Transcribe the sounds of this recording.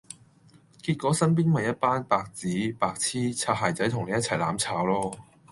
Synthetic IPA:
kiː˧t̚kʷɔː˨˥sɐ˥np̬iː˥nmɐ˨jɐ˥t̚paː˥npaː˧k̚t͡siː˨˥paː˧k̚t͡sʰiː˥t͡sʰaː˧˩ɦaː˨jt͡sɐ˨˥jt̪ʰʊ˨˩ŋne˨˧jɐ˥t̚t͡sʰɐ˨˩laː˨˥mt͡sʰaː˨˥wlɔː˥

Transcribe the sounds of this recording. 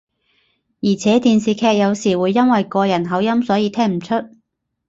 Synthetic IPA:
jiː˨˩t͡sʰɛː˨˥t̪iː˧nsiː˨kʰɛː˧k̚jɐ˨˧wsiː˨˩wuː˨˧jːɐ˥nwɐ˨jkɔː˧jɐ˨˩nɦɐ˨˥wjɐ˥msɔː˨˥jiː˨˧t̪ʰɛː˥ŋm̩˨˩t͡ʃʰɵ˥t̚

